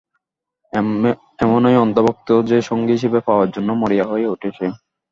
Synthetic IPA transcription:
ɛmonejɔnt̪obok̚t̪od͡ʑeʃoŋɡiɦiʃebepaoaɾd͡ʑonːomoɾijaɦoeuʈʰet͡ɕʰe

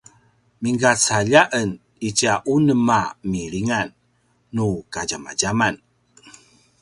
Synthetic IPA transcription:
miŋɡat͡saʎaʔən | it͡ʃaʔunəmamiɾiŋanː | ukad͡ʒama̰ɟaman

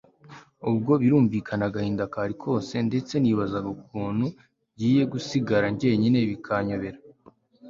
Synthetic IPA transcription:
ub̚ɡo̞βiɾuːɱviːkʰanaɡahiːndakaɾikʰo̞ːse̞nde̞t͡se̞niβazaɡokuːnhu | ɟiːje̞ɡusiɡaɾaɲɟe̞ːɲine̞βikʰaɲo̞βe̞ɾa

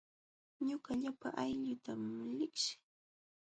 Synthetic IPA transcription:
ɲʊkaʎapaʔajʎʊt̪amlɪkʃɪ̥

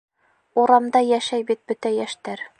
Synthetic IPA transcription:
uɾɑmd̪ɑjæʃæjbit̪̚bɵt̪æjæʃt̪æɾ

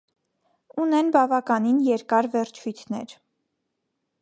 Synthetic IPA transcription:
unɛnbɑvɑkɑninjɛɾkɑɾvɛɾt͡ʃʰujt̪ʰnɛ̰ɾ

